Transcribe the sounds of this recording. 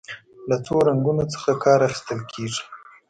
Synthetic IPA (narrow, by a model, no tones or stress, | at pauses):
lat͡soɾaŋɡunot͡sə̥xakʰɑɾaxɪ̥st̪əlkʰeʐi̥